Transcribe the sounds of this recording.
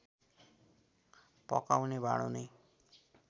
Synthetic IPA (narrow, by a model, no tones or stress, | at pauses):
pʌ̰kawnebʱa̰ɽ̃o̰nʌj